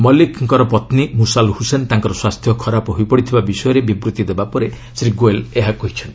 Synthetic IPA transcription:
mɔlikʰŋkɔɾɔpɔt̪nimusalhusent̪aŋkɔɾɔswast̪ʰjɔkʰɔɾapɔɦojpɔɽit̪ʰibabisɔjɔɾebibɾut̪id̪ebapɔɾe | sɾiɡoeleɦakɔɦit͡ʃʰɔnt̪i

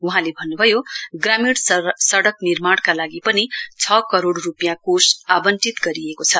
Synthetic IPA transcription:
uɦãlebʱʌnːubʱʌjoɡramiɽsʌɽʌknirmaɽkalaɡipʌnit͡sʰʌkʌɾoɽrupijãkosabʌntit̪ɡʌɾiekot͡sʰʌ

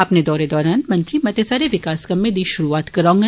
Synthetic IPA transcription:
ɐpned̪ɔːɾed̪ɔːɾaːnmɐ̃nt̪ɾimɐt̪esaːɾeʋɪkaːskɐmːẽd̪iːʃʊɾuaːt̪kɐɾãːŋɡa

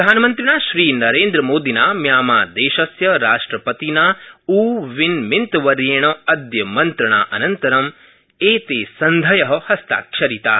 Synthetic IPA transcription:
ɾɐd̪ʱaːnɐmɐnt̪ɾinaːʃɾiːnɐɾeːnd̪ɾɐmoːd̪inaːmjaːmaːd̪eːʃɐsjɐɾaːʂʈɾɐpɐt̪inaːuːʋinmint̪ɐʋɐɾjeːɳ̃ɐɐd̪jɐmɐnt̪ɾɐɳa̰ːʔɐnɐnt̪ɐɾɐm | eːt̪eːsɐnd̪ʱɐjɐɦɐhɐst̪a̰ːkʃɐɾit̪a̰ː

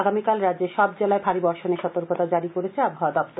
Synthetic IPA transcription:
aɡamikalɾad̪d͡ʑeʃɔb̚d͡ʑelaefaɾibɔɾʃoneʃɔt̪oɾkot̪ad͡ʑaɾikoɾet͡ɕʰeaboaad̪ɔb̚t̪oɾ

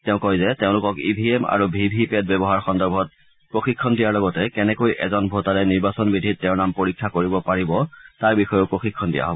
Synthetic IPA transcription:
tɛʊ̃kɔjzɛtɛʊ̃lʊkɔkibʱiema̰ɹubʱibʱipɛd̚bɛbɔɦaɹxɔndɔɹbʱɔt̚ | pɹoxikʰːɔndijaɹlɔɡɔtɛkɛnɛkojʔɛ̰zɔnbʱotaɹɛniɹbasɔnbidʱitːɛʊɹnampoɹikʰːakoɹibɔpaɹibɔtaɹbixɔjoʊpɹoxikʰːɔndija̰ɦɔbɔ

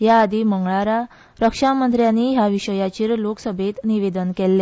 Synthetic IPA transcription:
jaːd̪iməŋɡɭaɾa | ɾəkʂamənd̪ɾjaniɦjaʋiɕəjat͡ɕiːɾloksəbʱet̪niʋed̪ənkɛlːe

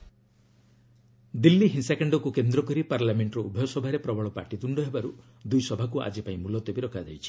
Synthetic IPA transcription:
d̪ilːiɦinsekeɳɖɔkukend̪ɾɔkɔɾipaɾlameɳʈɾɔubʱejɔsɔbʱaɾepɾɔbʱɔɭɔpaɾʈit̪uɳɖɔɦebaɾu | d̪ujsɔbʱakuʔa̰d͡ʒipaĩmulɔt̪ɔbiɾɔkʰad͡ʒa̰jt͡ʃʰi̥

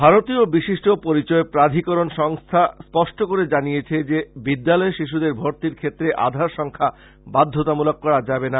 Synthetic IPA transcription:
bʱaɾot̪iobiʃiʃʈopoɾit͡ɕɔepɾad̪ʱikoɾonʃɔŋst̪ʰaspɔʃʈokoɾed͡ʑanijet͡ɕʰed͡ʑebid̪ːalɔeʃiʃ̬ud̪eɾbʱoɾt̪iɾkʰet̪ːɾeʔa̰d̪ʱaɾʃɔŋkʰa | bad̪ʱːot̪amulok̚ːɔɾad͡ʑabena

